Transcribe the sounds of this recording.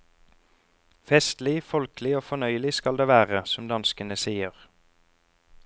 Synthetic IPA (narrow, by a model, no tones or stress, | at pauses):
fɛst̪lɪfɔlklɪoːfɔnœʏəlɪskɑld̪eːʋæːʁəsɔmd̪ɑnskənəsiːəʁ